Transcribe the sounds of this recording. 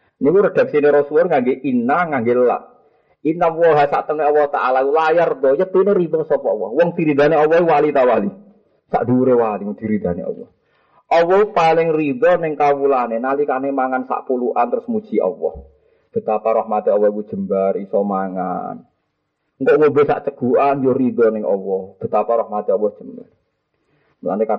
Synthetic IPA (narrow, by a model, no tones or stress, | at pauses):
nikuɾəd̪̥a̤k̚sineɾɔsuɔnŋaŋɡeʔinaŋaŋɡeləla̰ʔ | inawɔɦasa̰ʔt̪əŋeɔwɔht̪a̰ʔalakulajart̪ɔjət̪ineɾid̪ɔsɔpɔɔwɔhwɔŋd̪̥iɾid̪a̤neɔwɔɦiwalit̪awali | sa̰ʔd̪̥iɾewaliŋud̪̥i̤ɾid̪̥a̤nḛɔ̰wɔ̰h | ʔɔwɔhpalɪŋrid̪ɔnɛŋkawulanenalikanemaŋansa̰ʔpuluʔa̰nt̪ɾʊsmut͡ʃiʔɔ̰wɔ̰h | b̥ə̤t̪apaɾɔhmat̪iɔwɔku̥d͡ʒ̥ə̤mbarisɔmaŋa̰n | ŋkɔʔŋobɛsa̰ʔt͡ʃəɡ̥uanjorid̪ɔnɛŋɔ̰wɔhb̥ə̤t̪apaɾɔhmat̪iɔwɔhʒ̥əmba̰r | mula̰neka